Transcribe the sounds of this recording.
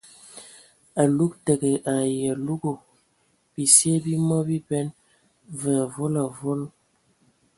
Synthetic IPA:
a˨lu˦k̚tə˨ɡə˨ʔa˨jɛ˨lu˦ɡo˨ | bi˨se˦bi˦mɔ˦bi˦bɛ˦n | və˨a˨vo˦la˨vo˦l

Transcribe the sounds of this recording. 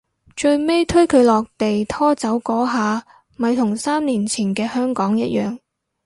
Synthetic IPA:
t͡ʃɵ˧ɥme˥jt̪ʰɵ˥ɥkʰɵ˨˧ɥlɔː˨k̚t̪e˨jt̪ʰɔː˥t͡sɐ˨˥wkɔː˨˥ɦaː˨˧ | mɐ˨˧jt̪ʰʊ˨˩ŋsaː˥mniː˨˩nt͡sʰiː˨˩nkɛː˧hœː˥ŋkɔː˨˥ŋjɐ˥t̚jœː˨ŋ

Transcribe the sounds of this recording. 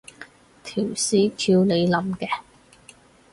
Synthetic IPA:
t̪ʰiː˨˩wsiː˨˥kʰiː˧wle˨˧jlɐ˨˧mkɛː˧

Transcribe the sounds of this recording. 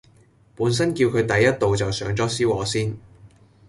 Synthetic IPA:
puː˨˥ns̬ɐ˥nkiː˧wkʰɵ˨˧ɥt̪ɐ˨jːɐ˥t̚t̪o˨wt͡sɐ˨wsœː˨˥ŋt͡sɔː˥siː˥wɔː˨˥siː˥n

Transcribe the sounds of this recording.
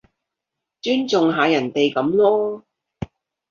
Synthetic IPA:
t͡ʃyː˥nt͡sʊ˨ŋɦaː˨˧jɐ˨˩nt̪e˨jkɐ˨˥mlɔː˥

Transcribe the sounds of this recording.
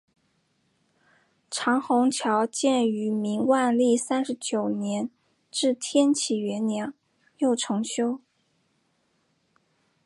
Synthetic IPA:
ʈ͡ʂʰɑ˧˥ŋxʊ˧˥ŋt͡ɕʰjɑ˧˥ʊt͡ɕjɛ˥˩ny˧˥mi˧˥ŋwa˥˧nli˥˩sa˥nʂɻ̩˧˥t͡ɕjo˨˩ʊnjɛ˧˥n | ʈ͡ʂɻ̩˥˩t̪ʰjɛ˥nt͡ɕʰi˨˩ɥɛ˧˥nnjɑ˧˥ŋ | jo˥˩ʊʈ͡ʂʰɤ˧˥ŋɕjo˥ʊ

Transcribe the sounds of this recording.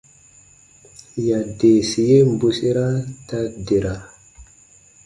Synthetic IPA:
ja˨de˨si˨je˦mbu˦si˦ɾa˦ta˦di˨ɾa˨

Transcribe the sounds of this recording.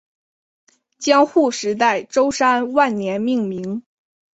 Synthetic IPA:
t͡ɕjɑ˥ŋxu˥˩ʂɻ̩˧˥t̪̬a˥˩ɪʈ͡ʂo˥ʊʂa˥nwa˥˩nnjɛ˧˥nmi˥˩ŋmi˧˥ŋ

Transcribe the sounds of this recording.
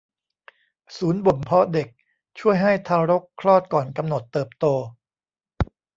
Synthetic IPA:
suː˩˦nbo˨˩mpʰɔ˦˥de˨˩k̚ | t͡ɕʰu˥˩əjɦa˥˩jt̪ʰaː˧ɾo˦˥kʰɾɔː˥˩t̪̚kɔː˨˩nka˧mno˨˩t̪ːɤː˨˩p̚t̪oː˧

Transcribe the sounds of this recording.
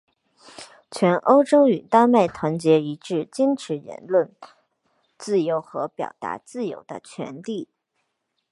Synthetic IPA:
t͡ɕʰɥɛ˧˥nʔo˥ʊʈ͡ʂo˥ʊy˨˩t̪a˥ma˥˩ɪt̪ʰwa˧˥nt͡ɕjɛ˧˥i˧˥ʈ͡ʂɻ̩˥˩t͡ɕjɛ˥nʈ͡ʂʰɻ̩˧˥ɻə̰˧˥nlwə˥˩n | t͡sɹ̩˥˩jo˧˥ʊxɤ˧˥pjɑ̰˨˩ʊt̪a̰˧˥t͡sɹ̩˥˩jo̰˧˥ʊd̪ə̰˧t͡ɕʰɥɛ̰˧˥nt̪i˥˩

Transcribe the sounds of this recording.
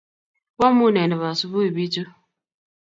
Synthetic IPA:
wɔ˦mu˦˨ne˨nɛ˨βa˨su˦βu˦i˨bi˦t͡ʃo˦

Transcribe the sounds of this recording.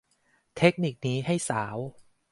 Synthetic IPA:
t̪ʰe˦˥k̚ni˨˩k̚niː˦˥ɦa˥˩jsaː˩˦w

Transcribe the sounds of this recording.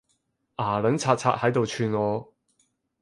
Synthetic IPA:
ʔaː˨˩lɵ˨˥nt͡sʰaː˧t̚t͡sʰa̰ː˧t̚hɐ˨˥jt̪o˨wt͡ʃʰyː˧nŋɔː˨˧

